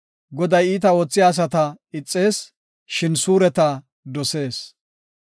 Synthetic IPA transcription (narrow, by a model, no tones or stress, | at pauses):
ɡɔd̪ɐjiːt̪ɐoːt͡sːɪjaːs̬ɐt̪ɐɪt͡sʼːe̞ːs | ʃɪnsuːɾɛt̪ɐ | d̪ɔse̞ːs